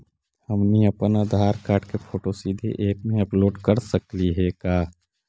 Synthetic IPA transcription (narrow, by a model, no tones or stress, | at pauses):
həmniɐpənaːd̪ʱaːɾkaːɾʈkepʰoːʈosiːd̪ʱḛʔeːpmẽɐploːɖkəɾsəkliɦɛkaː